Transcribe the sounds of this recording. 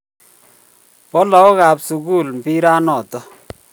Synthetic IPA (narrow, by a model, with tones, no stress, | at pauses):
pɔ˦lɔ˨˦o˦ka˨psu˨ku˦˨lm̩˨pi˦ɾa˦nɔ˨tɔ˦